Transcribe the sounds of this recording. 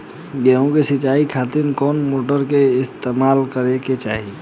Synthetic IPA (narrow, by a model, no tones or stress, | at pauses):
ɡeɦõkesɪt͡ʃaːikʰat̪ɪnkɔːnmoːʈəɾkeɪst̪emaːlkəɾeket͡ʃaːɦi